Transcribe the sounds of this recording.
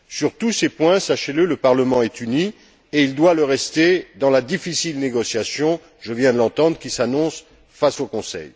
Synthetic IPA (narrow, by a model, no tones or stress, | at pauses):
syʁt̪usepwɛ̃saʃelələpaʁləmɑ̃ɛt̪yni | eild̪waləʁɛst̪ed̪ɑ̃lad̪ifisilneɡɔsjasjɔ̃ | ʒəvjɛ̃d̪əlɑ̃t̪ɑ̃d̪ʁəkʲisanɔ̃s | fasokɔ̃sɛ̰j